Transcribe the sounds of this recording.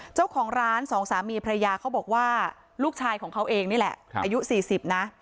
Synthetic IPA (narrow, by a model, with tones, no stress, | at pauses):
t͡ɕa˥˩wkʰɔː˩˦ŋɾaː˦˥nsɔː˩˦ŋsaː˩˦miː˧pʰɾa˧ja˧jaː˧kʰa˦˥wbɔː˨˩k̚waː˥˩ | luː˥˩k̚t͡ɕʰaː˧jkʰɔː˩˦kʰa˦˥wʔeː˧ŋniː˥˩lɛ̰˨˩ʔaː˧ju˦˥siː˨˩si˨˩p̚na˦˥